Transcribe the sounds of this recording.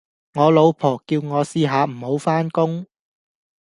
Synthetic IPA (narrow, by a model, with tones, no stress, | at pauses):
ŋɔː˨˧lo˨˧wpʰɔː˨˩kːiː˧wŋɔː˨˧siː˧ɦaː˨˧m̩˨˩ho˨˥wfaː˥nkʊ˥ŋ